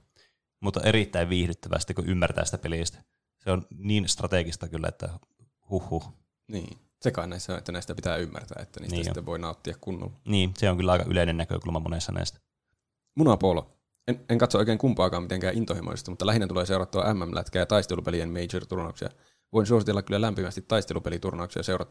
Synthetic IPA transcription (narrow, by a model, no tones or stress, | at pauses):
mut̪ːɑ̰ʔeɾit̪ːæiʋʋiːhdyt̪ːæʋæ̰st̪ikːuʔymːært̪æ̰ːsi̥t̪æpelist̪æ̥ | seonniːnst̪rɑt̪eɡist̪ɑkylːæ̰ḛt̪ːæ̰ | huhːu | nḭː | sekɑinnæisːænet̪ːænæist̪æpi̥t̪æːymːæ̰rt̪æ̰ːet̪ːænḭnst̪ːst̪ːeʋo̞inɑut̪ːiɑkkunːo̰lniːseoŋkylːæɑˑikɑʔy̰leˑinennækø̰kulmɑmo̰nesːɑnæ̰ˑist̪æ̥ | munɑpoːlo̰ | eneŋkɑt̪soojkeːŋkumpɑːkɑːmit̪eŋkæːʔint̪ohimo̰sḛst̪imut̪ːɑlæɦinːæt̪uleːseuɾɑt̪ːuɑʔæmːæmlʔæ̰t̪kæːjɑt̪ɑist̪elupeliemmeit͡ʃert̪urnɑuksḭɑ̰ | ʋoinsuosit̪elːɑkylːælæmpimæst̪it̪ɑist̪elupelit̪urnɑuksijɑseurɑt̪ː